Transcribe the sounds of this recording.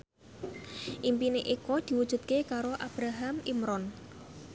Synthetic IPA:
ʔimpineʔikɔd̪̥i̤wu̥ʒ̥ṳt̪̚kekaɾoʔab̥ɾaɦamimɾɔn

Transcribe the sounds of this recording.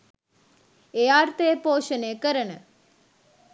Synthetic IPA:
eaːrt̪ejəpoːʃənejəkəɾənə

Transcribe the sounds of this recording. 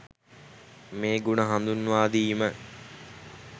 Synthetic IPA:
meːɡunəɦand̪unːuʋaːd̪iːmə

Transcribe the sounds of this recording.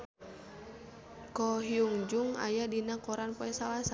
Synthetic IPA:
kɔɦiuŋd͡ʒuŋa̰jadinakɔɾanpɔɛsalasa

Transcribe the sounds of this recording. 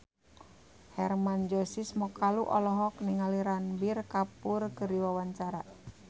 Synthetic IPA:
hɛrmand͡ʒɔsismɔkaluʔɔlɔɦɔk̚niŋaliɾanbirkapurkəɾiwawaɲt͡ʃaɾa

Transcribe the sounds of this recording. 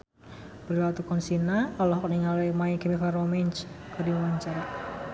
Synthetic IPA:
b̥əɾilat̪ukɔnsinaɔlɔhkəniŋalemaikemifaromɛɲt͡ʃkədiwaɲt͡ʃaɾa

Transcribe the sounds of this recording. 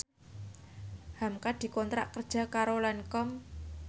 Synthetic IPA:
hamkad̪̥i̤kɔnt̪ɾa̰ʔkərd̥ʒ̥a̤kaɾolankɔm

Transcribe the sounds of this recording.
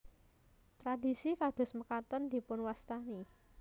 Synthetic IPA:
t̪ɾadi̤sikad̥ʊ̤sməkat̪ənd̪̥i̤pʊnwast̪ani

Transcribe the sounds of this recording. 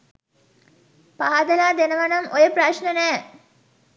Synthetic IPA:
paːad̪ɐlaːd̪enəʋɐnɐmʔojəpraʃnənæː

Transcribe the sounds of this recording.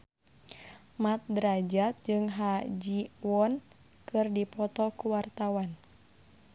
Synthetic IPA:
mat̪̚dəɾad͡ʒat̪̚d͡ʒɨŋɦad͡ʒiwɔn | kɨrdipɔt̪ɔkuwart̪awan

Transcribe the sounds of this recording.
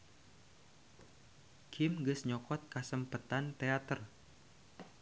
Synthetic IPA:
kʰɪmɡəsɲɔkɔt̪̚kasəmpət̪ant̪eat̪ər

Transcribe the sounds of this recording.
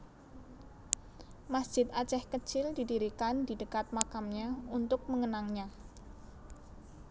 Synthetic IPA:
masd̥d͡ʒʒ̥ɪt̪̚at͡ʃɛhkət͡ʃɪldidiɾikandidəkat̪̚makamɲaunt̪ʊk̚məŋənaŋɲa

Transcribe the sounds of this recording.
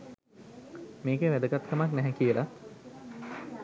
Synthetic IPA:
meːɡeʋæd̪əɡat̪kamaknæɦɛkiəla

